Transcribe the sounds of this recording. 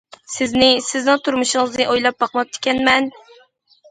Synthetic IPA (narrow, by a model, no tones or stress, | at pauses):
sɪznɪsɪznɪŋt̪ʰuɾmuʃɨŋɨznɨʔojlˠɑp̚bɑqmɑp̚t̪ʰːɪ̥kʲɛnmɛn